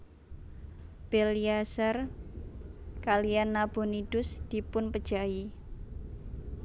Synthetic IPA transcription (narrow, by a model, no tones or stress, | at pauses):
b̥eliasar | kalianːab̥o̤nid̥ʊsd̪̥i̤pʊnpəd̥ʒ̥a̤i